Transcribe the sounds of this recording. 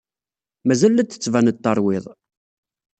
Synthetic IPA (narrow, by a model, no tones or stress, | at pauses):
mæzælːæt͡s̪ːə̥t͡sːvænət̪ːɑɾˤwɪðˤ